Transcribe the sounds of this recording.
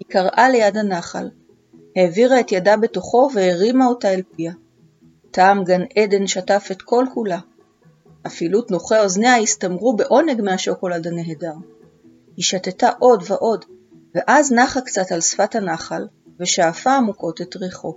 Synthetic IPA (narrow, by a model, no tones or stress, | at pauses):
hikaʁʔale̞jadhanaχa̰l | he̞ːviʁae̞tjadabe̞to̞χo̞ve̞eʁimao̞taelpia | taːmɡanʔede̞nʃatafetkʰo̞lkula | ʔafilutno̞χe̞o̞zneajistamʁube̞ʔo̞ne̞ɡmehaʃo̞ko̞ladane̞ɦedaʁ | hiʃatetaʔo̞dveʔo̞d | ve̞ʔaznaχakt͡satalsfathanaχal | ve̞ʃaːfaːmuko̞tetʁeχo̞